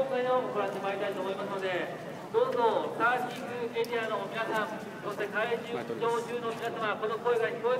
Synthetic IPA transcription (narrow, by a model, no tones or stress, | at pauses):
õŋɡainooɡoɾãnd̪emaɾit̪ait̪oːmo̞imasɨno̞d̪e̞ | d̪̥o̞ːzo̞staːkʲĩŋɡɯ̟eɾʲiano̞ːmʲinasãŋ | sost̪e̞kaed͡ʑɨd͡ʑoːʑɨːnoːmʲinasamako̞noko̞eɡaɲiko̞e